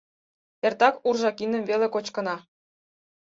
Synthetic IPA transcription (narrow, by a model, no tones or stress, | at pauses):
ert̪ɑkurʒɑkinə̆mvelekot͡ɕkɤ̆nɑ